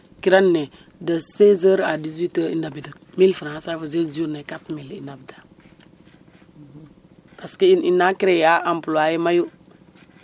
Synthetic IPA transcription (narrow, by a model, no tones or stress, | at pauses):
kiɾanːe | dəsezəɾadizwitəḭndabida | milfiɾãasafazed͡ʒunekatmilinabdḁ | paskeininakiɾejaʔampuloajemaju